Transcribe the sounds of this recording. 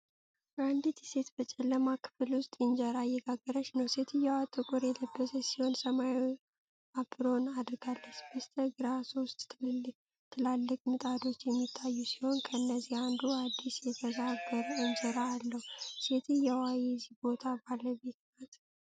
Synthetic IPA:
and̪ɨt̪ʰɛse̞t̪bət͡ʃʼɛləmakʰɨ̥fɨlwʊst̪ʼɨnd͡ʒəɾajɛɡaɡːəɾəʃnəwse̞t̪ʰɨjɛwat̪ʼːɨkʼuɾjɛləbːəsəsiho̞nsəmaj | abɨɾo̞nad̪ɾɨɡalːət͡ʃːb̥əst̪ʰəɡɨɾasost̪ʼ | t̪ʰːɨlalːɨkʼmɨt̪ʼad̪o̞t͡ʃːjɛmːit̪ʼʰːajːusi̥ho̞nkʰəɨnːəzihand̪uad̪ːisjɛt̪ʰəzaɡəɾuɨnd͡ʒəɾaːlːəhwuse̞t̪ʰɨjɛwajɛzihbo̞t̪ʰabaləbe̞t̪nat̪ʼ

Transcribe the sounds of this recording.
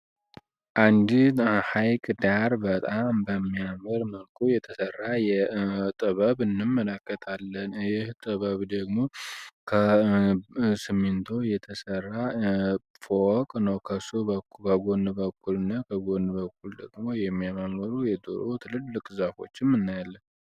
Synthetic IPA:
ʔand̪ihajkʼd̪aɾbət̪ʼambəmːijaməɾməlkʰʼujɛt̪ʰəsərːajɛt̪ʼɨβəβɨnːɨmːələkːət̪ʰʼalːənjɪht̪ʼɨβəβd̪əɡmo̞kʰə | sɨmːɨnt̪ʰo̞jɛt̪ʰəsərːa | fokʼnəwkʰəsubəkəɡo̞nbəkʰːulɨnːakʰəɡo̞nd̪bəkːuld̪əɡmo̞jɛmːijamaməɾujɛd̪o̰ɾot̪ʰɨlɨlːɨkʼzafo̞̰t͡ʃːɪmːɨnːajalːən

